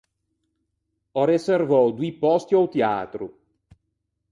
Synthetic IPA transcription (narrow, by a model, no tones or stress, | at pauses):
ɔɾeservɔwd̪wipɔst̪jɔwt̪ea̰ːt̪ɾṵ